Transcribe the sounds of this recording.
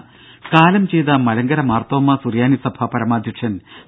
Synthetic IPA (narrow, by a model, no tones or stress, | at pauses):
kaːlɐmt͡ɕe̞jt̪ɐmɐlɐŋɡɐɾɐmaːrt̪oːmːɐsurjaːnisɐbʱɐpɐɾɐmaːd̪ʱjɐkʂɐn